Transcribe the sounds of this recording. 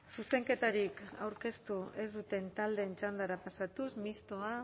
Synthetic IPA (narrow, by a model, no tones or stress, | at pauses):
suse̞ŋke̞t̪aɾika̰wɾke̞st̪ue̞zd̪ut̪e̞nt̪ald̪e̞ːnt͡ʃand̪aɾapasat̪usmist̪o̞a